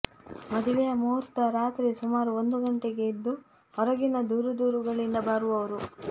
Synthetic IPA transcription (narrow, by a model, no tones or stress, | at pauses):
mɐd̪ʱiʋɛjɐmuːɾt̪ɐɾaːt̪ɾisumaːɾuond̪uɡɐɳʈeɡe̞id̪ːu | ɔɾɐɡinɐd̪uːɾud̪uːɾuɡɐɭind̪ɐbaːɾuʋɐʋɐɾu